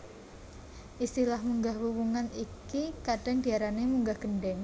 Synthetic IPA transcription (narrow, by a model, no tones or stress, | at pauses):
ʔist̪ilahmuŋɡahwumuŋanikikaɖ̥a̤ŋdiaɾanemuŋɡahɡ̥əɳɖɛŋ